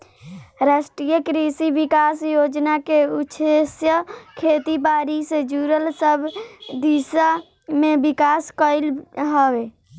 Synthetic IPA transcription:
ɾasʈɾijəkɾisiʋikaːsjoːd͡ʒnakeutːʃʰesjəkʰet̪ibaːɾised͡ʒuɾəlsəbʱd̪isa | mẽbikaːskəɪlɦəwe

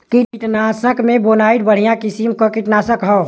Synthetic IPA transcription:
kiiʈnaːsəkmẽboːnaːiʈ̪̚bəɽ̤ijãkisimkokiʈnaːsəkɦɔː

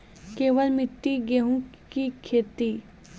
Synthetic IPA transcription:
keːʋəlmɪʈ̪ːiɡeɦũkikʰeːt̪i

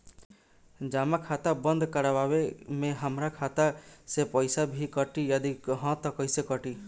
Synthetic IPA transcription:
d͡ʒamakʰat̪abənd̪ʱkəɾabawemẽɦəmɾakʰat̪asepɔjsabʱikəʈijad̪ikɦɔ̃t̪ɔkɔjsekɔʈi

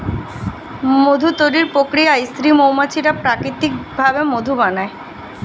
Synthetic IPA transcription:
mod̪ʱut̪oɾiɾpokɾiaist̪ɾimowmat͡ɕʰiɾapɾakɾit̪ik̚bʱabemod̪ʱubanae

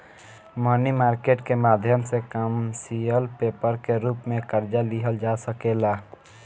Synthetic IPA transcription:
mənimaːɾkeːʈkemaːd̪ʱjəmsekəmsiəlpeːpəɾkeɾuːpmẽkəɾd͡ʒaliɦəld͡ʒasəkeːlaː

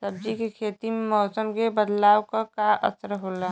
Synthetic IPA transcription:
səb̚d͡ʒikekʰeːt̪iemɔːsəmkebəd̪laːwkakaʔə̰səɾɦola

